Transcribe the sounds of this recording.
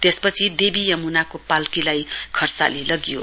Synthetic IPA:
t̪espʌt͡sʰid̪ebijʌmunakopalkilajkʰʌrt͡sa̰lelʌɡijo̰

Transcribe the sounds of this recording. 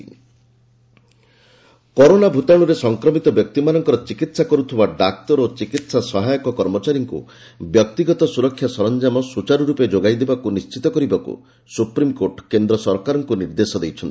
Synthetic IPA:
kɔɾonabʱut̪aɽ̃uɾesɔŋkɾɔmit̪ɔbjɔk̚t̪imanɔŋkɔɾɔt͡ʃikit̪sakɔɾut̪ʰibaɖak̚t̪ɔɾot͡ʃikit̪sasɔɦajɔkɔkɔɾmɔt͡ʃaɾiŋkṵ | bjɔk̚t̪iɡɔt̪ɔsuɾɔkʰːjasɔɾɔnd͡ʒamɔsut͡ʃaɾuɾuped͡ʒoɡajd̪ebakunist͡ʃit̪ɔkɔɾibakṵ | supɾimkoʈkend̪ɾɔsɔɾkaɾɔŋkuniɾd̪esɔd̪ejt͡ʃʰɔnt̪

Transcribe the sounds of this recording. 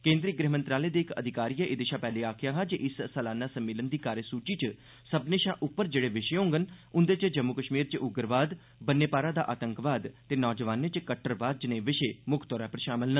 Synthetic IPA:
kẽːnd̪ɾiːɡɾeːɦmə̃nt̪ɾaːleːd̪eːɪkə̰d̪ʱɪkaːɾijəʔɪd̪ɪʃãːpɛːleːaːkʰɪjaːɦãːd͡ʒeʔɪsːəlaːnaːsəmːeːlənd̪iːkaːɾjəsuːt͡ʃiːt͡ʃ | səbneːʃãːʔʊpːəɾd͡ʒeːɽeːʋɪʃõːŋɡənʊ̃nd̪eːt͡ʃd͡ʒəmːukəʃmiːɾt͡ʃʔʊɡəɾʋaːd̪ | bənːeːpaːɾaːd̪aːʔaːt̪əŋkʋaːd̪t̪eːnɔːd͡ʒəʋaːnet͡ʃkəʈʰːəɾʋaːd̪̚d͡ʒnẽːʋɪʃeːmʊkʰt̪ɔːɾaːpəɾʃaːməlnə

